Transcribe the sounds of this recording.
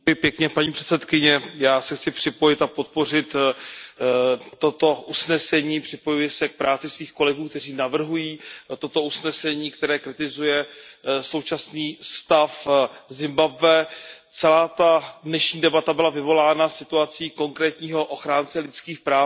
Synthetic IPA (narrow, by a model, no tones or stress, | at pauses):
jɛpjɛkɲɛpaɲiːpr̥ɛt̪t͡sɛt̪kɪɲɛjaːsɛxt͡sɪpr̝̥ɪpo̞jɪt̪apo̞t̪̚po̞r̝ɪt̪ | t̪ːo̞t̪o̞ʔusnɛsɛɲiːpr̥ɪpo̞jujɛsɛk̚pɾaːt͡sɪsviːxko̞lɛɡuːk̚t̪ɛr̝iːnavr̩ɦujiːt̪o̞t̪o̞usnɛsɛɲiːkt̪ɛɾɛːkɾɪt̪ɪzujɛso̞wt͡ʃasniːst̪afzɪmbabvɛːt͡sɛlaːt̪adnɛʃɲiːdɛbat̪abɪlavɪvo̞laːnasɪt̪uat͡siːko̞ŋkɾɛːt̪ɲiːɦo̞ʔoxɾaːnt͡sɛlɪt͡skiːxpɾaː